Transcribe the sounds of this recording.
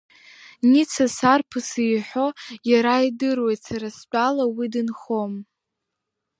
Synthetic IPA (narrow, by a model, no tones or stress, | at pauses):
nit͡sʰasarpʰɨsijħʷᶣo̞jaɾaidɨrwe̞jtsaɾast͡pʼalawidɨnχo̞m